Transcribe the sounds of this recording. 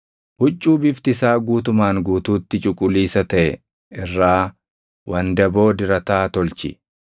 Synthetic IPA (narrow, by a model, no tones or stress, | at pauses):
hʊt͡ʃʼːuːbɪft̪ɪsaːɡuːt̪ʊmaːŋɡuːt̪uːt̪ːɪt͡ʃʼʊkʼːʊliːsɐt̪ɐʔɛ | ɪrːaː | wʔɐnd̪ɐbo̞ːd̪ɪɾɐt̪aːt̪ɔlt͡ʃɪ̰